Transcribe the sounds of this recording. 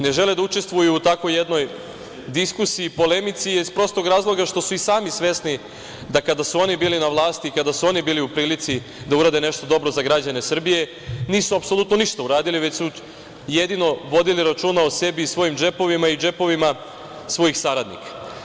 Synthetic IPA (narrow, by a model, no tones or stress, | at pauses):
ne̞ʒe̞led̪aut͡ʃe̞st̪ʋujuːt̪ako̞jːe̞d̪no̞j | d̪iskusiːpo̞le̞mit̪sijeispɾo̞st̪o̞ɡɾaːzlˠo̞ɡaʃt̪o̞suisaːmisʋe̞sni | d̪akad̪asuo̞nibiːlinaʋlˠaːst̪iːkad̪asuo̞nibiːliupɾiːlit̪si | d̪auɾaːd̪e̞ne̞ʃt̪o̞d̪o̞bɾo̞zaɡɾad͡ʑane̞sr̩bije̞ | niːsuapso̞lˠut̪no̞niʃt̪auɾaːd̪iliʋe̞t͡ɕsu | je̞d̪ino̞ʋo̞d̪iliɾat͡ʃunaose̞biːsʋo̞jimd͡ʒe̞po̞ʋimaid͡ʒe̞po̞ʋima | sʋo̞jixsaɾad̪nḭkḁ